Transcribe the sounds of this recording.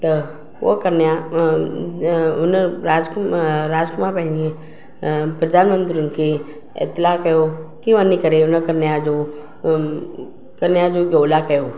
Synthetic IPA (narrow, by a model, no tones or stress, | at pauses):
t̪ə | ʋo̰kəɾnja | ʊnɾaːd͡ʒkɾaːd͡ʒkmãpɛɦli | pɾəd̪ʱaːnmə̃nt̪ɾijunke | ḛt̪lakəjokiʋənːikəɾeʊnəkəɾnjad͡ʒo | kəɾnjad͡ʒoɡoːlakəjoː